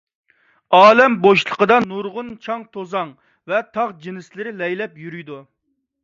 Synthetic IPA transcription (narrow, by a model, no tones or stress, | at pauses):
ɑːlɛmboʃlˠə̥qəd̪ɑnuɾʁʊnt͡ʃʰɑŋt̪ʰozɑŋ | vɛt̪ʰɑʁd͡ʒinɪslɪɾɪlɛjlɛpjyɾyjd̪u